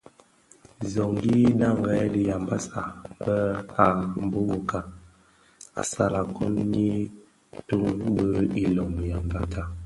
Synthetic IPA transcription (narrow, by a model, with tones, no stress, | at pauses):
zɔ˨ŋɡi˦na˦˨ŋɡɛ˦li˨ja˨mba˦sa˨bɛ˦a˨m˨bo˦bo˨ka˨ | a̰˨sa˦˨la˨kɔ̰˦nni˦ | tu˦bə˦i˨lɔ˨m˨ja˨mba˦ta˦